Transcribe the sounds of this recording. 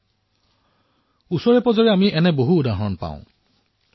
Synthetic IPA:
usɔɹepɔzɔɹeamiʔɛnɛboɦuːdaɦɔnpã̰ʊ̃

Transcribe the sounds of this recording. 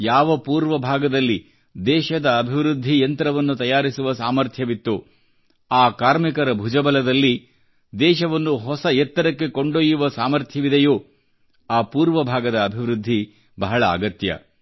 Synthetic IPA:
jaːʋɐpuːɾʋɐbʱaːɡɐd̪ɐlːi | d̪ɛːʃɐd̪ɐːbʱiʋɾud̪ʱːijɐnt̪ɐɾɐʋɐnːut̪ɐjaːɾisuʋɐsaːmɐɾt̪ʰjɐʋit̪ːu | aːkaːɾmikɐɾɐbʱud͡ʒɐbɐlɐd̪ɐlːi | d̪ɛːʃɐʋɐnːuɦɔsɐɛt̪ːɐɾɐkːe̞ko̞ɳɖoːjuʋɐsaːmɐɾt̪ʰjɐʋid̪ɐjoː | aːpuːɾʋɐbʱaːɡɐd̪ɐːbʱiʋɾud̪ʱːi | bɐɦɐɭɐ̰ːɡɐt̪jɐ̰

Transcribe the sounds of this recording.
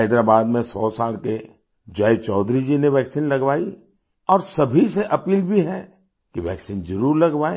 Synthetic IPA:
ed̪ɾaːbaːd̪mẽsɔːsaːlke | d͡ʒɐjt͡ʃɔːd̪ɾid͡ʒineʋɛːksiːnlɐɡʋaːi | ɔːɾsɐbʱiseʔɐpiːlbʱiɦɛ | kiʋɛːksind͡ʒɐɾuːɾlɐɡʋaːe

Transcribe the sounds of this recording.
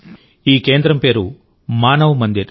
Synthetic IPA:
iːke̞ːnd̪ɾɐmpe̞ːɾu | maːnɐʋumɐnd̪iɾ

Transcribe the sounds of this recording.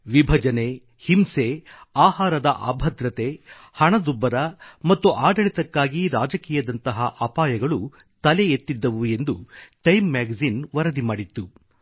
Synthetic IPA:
ʋibʱɐd͡ʒɐne̞ | himse̞aːɦaːɾɐd̪ɐʔa̰ːbʱɐd̪ɾɐt̪e̞ | hɐɳɐd̪ubɐɾɐmɐt̪ːuʔaːɖɐɭit̪ɐkːaːɡiɾaːd͡ʒɐkiːjɐd̪ɐnt̪ɐɦɐʔɐːpaːjɐɡɐɭu | t̪ɐleet̪ːid̪ːɐʋue̞nd̪uʈɐjmːaːɡzinʋɐɾɐd̪imaːɽit̪ːu

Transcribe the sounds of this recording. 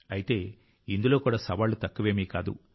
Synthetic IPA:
ɐjit̪e̞ː | ind̪uloːkuːɽaːsɐʋaːlːut̪ɐkːuʋe̞ːmiːkaːd̪ṵ

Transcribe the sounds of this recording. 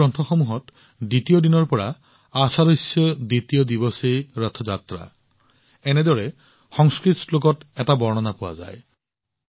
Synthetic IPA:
ɔntʰɔxɔmuɦɔt | dit̪ijɔdinɔɹpɔɹa | asaɾosɔd̪it̪ijɔd̪ibɔsejɹɔt̪ʰɔd͡ʒat̪ɾa̰ | ened̪ɔɹe | xɔŋskɹit̪lok̬ɔtɛtabɔɹnɔnapuwa̰za̰j

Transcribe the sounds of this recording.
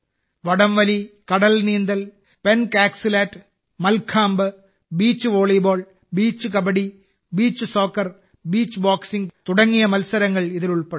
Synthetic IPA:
ʋɐɽɐmʋɐlikɐɽɐlniːnd̪ɐl | penkaːksilaːtː | mɐlkʰaːmbɨ | biːt͡ɕːɨʋoːɭiboːɭ | biːt͡ɕːɨk̬ɐbɐɽi | biːt͡ɕːɨso̞ːkːɐr | biːt͡ɕːɨboːksiŋɡt̪uɽɐŋːijɐmɐlsɐɾɐŋːɐɭiðiluɭpeɽ

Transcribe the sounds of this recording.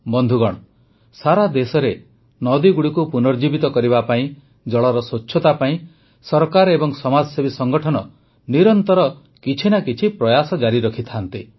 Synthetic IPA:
bɔnd̪ʱuɡɔɽ̃ɔ | saɾad̪esɔɾe | nɔd̪iɡuɽikupunɔɾd͡ʒibit̪ɔkɔɾibapaĩ | d͡ʒɔɭɔɾɔsot͡ʃːʰɔt̪apaĩ | sɔɾkaɾebɔŋsɔmad͡ʒɔsebisɔŋɡɔʈʰɔnɔ | niɾɔnt̪ɔɾɔ | kit͡ʃʰinakit͡ʃʰipɾɔjasɔd͡ʒaɾiɾɔkʰit̪ʰant̪i

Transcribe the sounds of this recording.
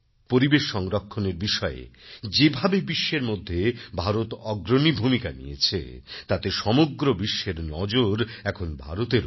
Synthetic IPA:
poɾibeʃːɔŋɾokʰːoneɾbiʃɔḛd͡ʑebʱabebiʃːeɾmod̪ʱːebʱaɾot̪ɔɡɾonibʱumikanḭjḛt͡ɕʰḛt̪at̪eʃɔmoɡɾobiʃːeɾnɔd͡ʑoɾɛkʰonbʱa̰ɾot̪eɾ

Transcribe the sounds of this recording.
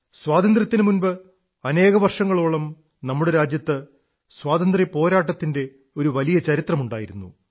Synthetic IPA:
swaːt̪ɐnd̪rɐt̪ːinɨmunbɨ | ɐne̞ːɣɐʋɐrʂɐŋːɐɭoːɭɐm | nɐmːuɽeɾaːd͡ʑjɐt̪ːɨ | swaːt̪ɐnd̪ripo̞ːɾaːʈːɐt̪ːinde̞ | o̞ɾuʋɐlijɐt͡ɕɐɾit̪rɐmuɳɖaːjiɾunːṵ

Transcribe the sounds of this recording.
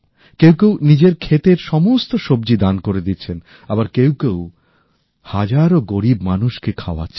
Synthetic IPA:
kewkewnid͡ʑeɾkʰet̪eɾʃɔmost̪oʃobd͡ʑid̪ankoɾed̪itːɕʰen | abaɾkewkew | had͡ʑaɾoɡoɾibmanuʃkekʰaoa̰t͡ɕʰ

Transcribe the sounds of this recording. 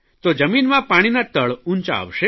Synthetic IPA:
t̪od͡ʒəminmãpaɽ̃inat̪əɭuɲt͡ʃa̰ːʋʃe

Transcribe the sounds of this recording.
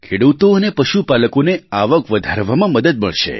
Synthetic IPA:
kʰeɽut̪oənepəʃupaləkoneaʋəkʋəd̪ʱaɾʋamãməd̪əd̪̚məɭʃḛ

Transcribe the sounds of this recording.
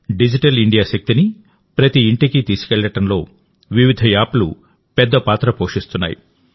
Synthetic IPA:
ɖid͡ʒiʈɐliɳɖijaːʃɐk̚t̪ini | pɾɐt̪iːɳʈikit̪iːsu̥kɛɭːɐʈɐnlo̞ː | ʋiʋid̪ʱɐjaːpulṵ | pɛd̪ːɐpaːt̪ɾɐpoːʂist̪unːa̰ːjḭ

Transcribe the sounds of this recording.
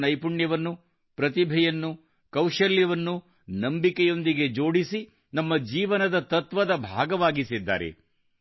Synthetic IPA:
nɐjpuɳjɐʋɐnːu | pɾɐt̪ibʱɛjɐnːu | kɐwʂɐljɐʋɐnːu | nɐmbikɛjo̞nd̪iɡe̞d͡ʒo̞ːɽisi | nɐmːɐd͡ʒiːʋɐnɐd̪ɐt̪ɐt̪ʋɐd̪ɐbʱaːɡɐʋaːɡisid̪ːa̰ːɾḛ

